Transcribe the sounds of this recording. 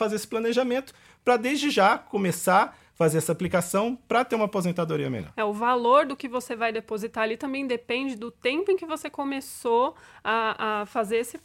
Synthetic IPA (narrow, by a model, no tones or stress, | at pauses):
fazeɾesɪ̥plɐneʒamẽnt̪ʊ̥ | pɾɐd̪ezd͡ʒɪʒakomesa | fazeɾɛsɐaplikasɐ̃w̃pɾɐt̪eɾũmapozẽnt̪ad̪oɾiɐ̰mḛʎɔ̰ɾɛʊvaloɾd̪ʊkɪvosevajd̪epozit̪aalit̪ɐ̃mbẽj̃d̪epẽnd͡ʒɪd̪ʊt̪ẽpʊẽkɪvosekomesoaafazeɾesɪ